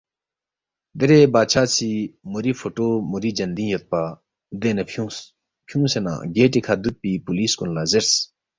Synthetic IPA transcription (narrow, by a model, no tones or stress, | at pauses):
d̪eɾebaːt͡ʃʰaːt͡sʰimuɾifʰoʈoːmuɾid͡ʒɐnd̪ĩːjot̪̚pa | d̪enɐu | pʰjũsena̰ɡeːʈikʰad̪ut̪̚pipuliskunlazeɾs